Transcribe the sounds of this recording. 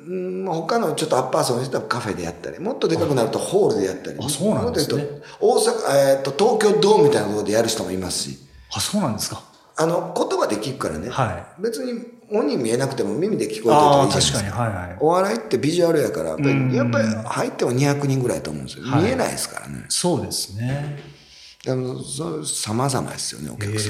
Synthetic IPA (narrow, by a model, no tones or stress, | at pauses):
ɯ̃mho̞kano̞t͡ɕo̞t̪ːoapːaːsõːmiset̪abkaɸe̞d̪e̞ja̰t̪ːa̰ɾʲimo̞t̪ːo̞d̪e̞kakɯ̟naɾɯ̟t̪o̞ho̞ːɾɯ̟d̪e̞jat̪ːa̰ɾʲḭsoːnod̪ejɯt̪ooːsakaet̪ːo̞t̪o̞ːkʲo̞ːd̪o̞ːmʲit̪ainak̪tood̪e̞jaɾɯɕi̥t̪o̞mo̞̰imasɨ̥ɕḭ | asoːnãnd̪eska | ano̞ko̞t̪o̞bad̪e̞kʲiɾɯ̟kaɾa̰ne̞haibe̞t͡sɨɲ̟i | õ̞ɲ̟ːĩmːʲie̞nakɯ̟t̪e̞mo̞mʲimʲid̪e̞kʲi̥ko̞eooiḁiahaio̞βaɾait̪ːe̞bʲiʑuaɾɯ̟jakaɾa̰ejapːaihait̪ːemo̞ɲ̟içakɯ̟ɲ̟ĩŋɡɯ̟ɾait̪o̞ːmõ̞̰esiommie̞na̰ḭsɨ̥ka̰ɾa̰ne̞̰soːd̪esɨ̥ne | d̪amososamaza̰ma̰d̪e̞sɨ̥jo̰ne̞̰o̞̰kʲakɯ̟̥sã